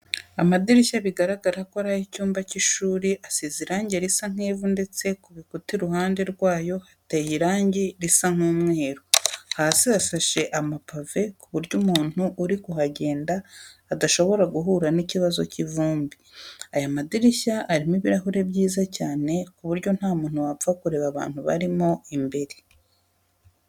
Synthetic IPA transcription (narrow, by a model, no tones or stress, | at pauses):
amadiɾiʃaβiɡaɾaɡaɾakoaɾahicuːmbaciʃuːɾiʔasiziɾaːɲɟeɾisaŋ̥eːvunde̞t͡se̞kuβikutiɾuhaːnde̞ɾɡwaːjo̞hatajiɾaːɲɟiɾisaŋ̥uːmŋe̞ːɾohaːsiasaʃe̞ʔamapave̞kuβuɾɟuːmuːn̥huʔuɾikuɦaɟe̞ːndaːdaʃo̞βo̞ɾaɡuɦuːɾaniciβazo̞civuːmbiajamadiɾiçaʔaɾimiβiɾaɦuɾe̞bjiːzacaːne̞kuβuɾɟo̞n̥haːmuːn̥huwafakuɾe̞βaβa̰ːn̥huβa̰ɾimo̞imbe̞ɾe